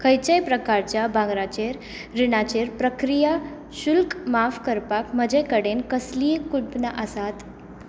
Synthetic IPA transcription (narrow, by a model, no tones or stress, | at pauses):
kʰəjt͡ɕəjpɾəkaɾt͡ɕjabʱãŋɡɾat͡ɕeɾ | ɾinat͡ɕeɾpɾəkɾija | ɕulkmafkəɾpakməd͡ʑəjkəɽenkəslikuɽ̚bnaʔəsat̪